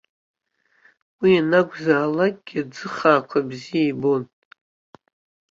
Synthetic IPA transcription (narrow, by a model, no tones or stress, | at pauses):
wianaɡʷzaːlak̚ʼɡ̥ʲiad͡zɨχaːkʷʰabzijajbo̞n